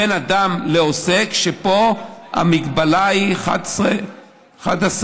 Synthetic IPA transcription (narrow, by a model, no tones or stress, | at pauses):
enad̪amleosekʃepo̞ha̰miɡbalaiχa̰d̪se | χa̰d̪as